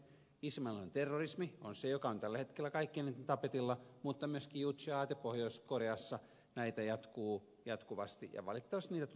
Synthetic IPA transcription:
ismɑlont̪erːorismionsejokɑont̪ælːæhet̪kelːækɑikːiniːt̪et̪ɑpet̪ilːɑmut̪ːɑmyøskiːut̪siɑːt̪epːohjoiskoreɑsːɑ | næit̪æjɑt̪kuː | jɑt̪kuʋɑst̪ḭjɑ̰ʋɑlit̪ːɑʋɑst̪niːt̪æt̪

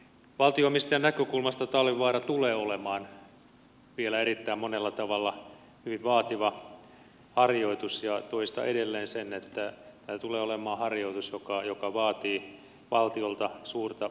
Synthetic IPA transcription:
ʋɑlt̪ioimːist̪ɑjɑnækøkulmɑst̪ɑt̪ɑlːiʋɑːrɑt̪uleːolemɑːn | ʋielæerit̪ːæimmonelːɑt̪ɑʋɑlːɑ | hyʋiʋʋɑːt̪iʋɑ | hɑrjoit̪usjɑt̪oist̪ɑ̰ʔedelːeːnsenet̪ːæt̪æːt̪uleːolemɑːhɑrjoit̪usjokɑjokɑʋɑːt̪iː | ʋɑlt̪iolt̪ɑsuːrt̪ɑ

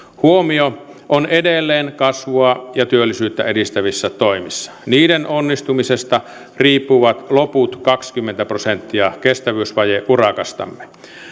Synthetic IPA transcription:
huomio | ʔonedelːeːnkɑsʋoɑjɑt̪yølːisyːt̪ːæedist̪æʋisːæt̪oimisːɑ̥niːdenʔonːist̪umisest̪ɑ | riːpːuʋɑt̪loput̪kɑkskymːent̪æprosent̪ːiɑkest̪æʋyːsʋɑjeʔurɑkɑst̪ɑ̰mːe

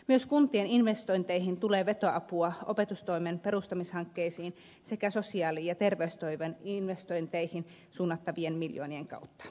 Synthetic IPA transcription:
myøskunt̪ieninʋest̪oint̪eihint̪uleːʋet̪oɑpuɑʔo̰pet̪ust̪oimenperust̪ɑmishɑŋkːeisiːn | sekæsosiɑːliːjɑt̪erʋeyst̪oiʋeninʋest̪oint̪eihin | suːnːɑt̪ːɑʋienmiljo̰ːnieŋkɑ̰ˑut̪ːɑ̥

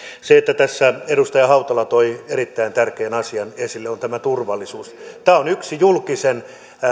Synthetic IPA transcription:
seet̪ːæt̪æsːæedust̪ɑjɑhɑut̪ɑlɑt̪oieɾit̪ːæint̪ærkeːnɑsiɑnesilːeont̪æmæt̪urʋɑlːˑisuːst̪æːonyksijulkisen

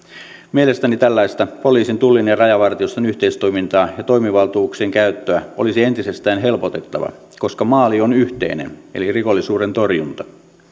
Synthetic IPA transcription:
miele̞st̪ænit̪ælːæist̪ɑpoliːsint̪ulːinerɑjɑʋɑrt̪iost̪enyht̪eist̪ojmint̪ɑːjɑt̪o̞jmiʋɑlt̪uːkseŋkæyt̪ːøæolisie̞nt̪ise̞st̪æːnɦe̞lpot̪e̞t̪ːɑʋɑ̰ | ko̞skɑmɑːlio̞nyht̪e̞̰inḛneliriko̞lːisuːɾent̪o̞rjunt̪ɑ̥

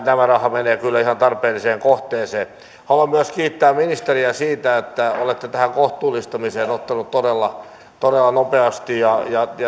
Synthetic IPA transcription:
næmærɑhɑmeneːkylːæihɑnt̪ɑrpeːliseːŋkoht̪eːseː | hɑlɑmmyæskiːt̪ːæːmminist̪eriæsiːt̪æet̪ːæolet̪ːet̪æhæŋkoht̪uːlːˑist̪ɑmiseːnot̪ːɑnut̪t̪odelːɑ | t̪odelːɑnopeɑst̪ijjɑjɑjɑ

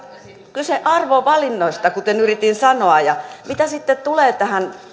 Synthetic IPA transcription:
kylseʔɑrʋoʋɑlinːoist̪ɑkut̪enyrit̪insɑnoɑjɑmit̪æsit̪ːet̪t̪uleːt̪æhæn

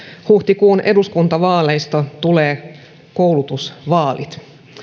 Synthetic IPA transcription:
huht̪ikuːnʔe̞duskunt̪ɑʋɑːlejst̪ɑt̪uleː | kowlut̪usʋɑːlḭt̪

